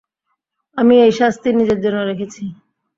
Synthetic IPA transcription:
amiejʃast̪ʰiɾnid͡ʑeɾd͡ʑonːoɾekʰet͡ɕʰi

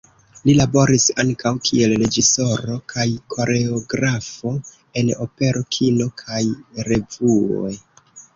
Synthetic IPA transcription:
lilabo̞ɾisaŋkawkʰie̞lɾe̞d͡ʒiso̞ɾo̞kʰajkʰo̞ɾe̞oɡɾafo̞ | e̞no̞pe̞ɾʔo̞kʰino̞kʰajɾe̞vuo̞̰j

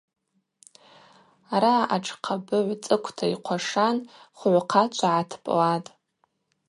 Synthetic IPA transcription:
aɾaaʈ͡ʂʰqʰabɨʕʷt͡sʼɨkʷʰtʰaiqʷʰaʂanχʕʷqʰat͡ʃʷʰaʕatʰpʼlatʼ

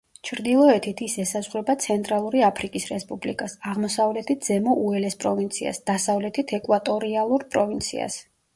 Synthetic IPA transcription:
t͡ʃʰɾd̪ilˠɔɛt̪ʰit̪ʰisɛsazʁɾɛbat̪sʰɛnt̪ʼɾalˠuɾiapʰɾikʼisɾɛspʼublḭkʼasaʁmɔsavlɛt̪ʰit̪̚ʰz̥ɛmɔʔuɛlɛspʼɾɔvint̪sʰia̰sd̪̥asavlɛt̪ʰit̪ʰɛkʼwat̪ʼɔɾialˠuɾpʼɾɔvint̪sʰḭa̰s

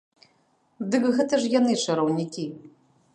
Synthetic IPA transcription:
d̪ɨkɣɛt̪ɐʂjanɨt͡ʂɨɾɐwnʲikʲi

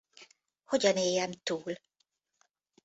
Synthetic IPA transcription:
ho̞ɟɒneːjɛmt̪uːl

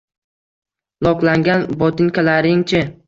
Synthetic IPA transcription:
lˠɒqlˠaŋɡʲanbɒt̪ʰɪŋkʰʲalaɾɪŋt͡ʃʰɪ

